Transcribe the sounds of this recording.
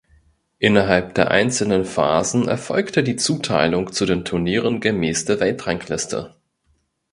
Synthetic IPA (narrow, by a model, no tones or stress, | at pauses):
ʔɪnɐɦalp̚d̥eːɐʔa̰ɪnt͡sl̩nənfa̰ːzn̩ʔɛ̰ɐfɔlktədiːt͡suːtʰa̰ɪlʊŋt͡sudeːntʰʊɐniːʁənɡəmɛːsd̥əɐvɛltʁ̥aŋkʰlɪstʰə̰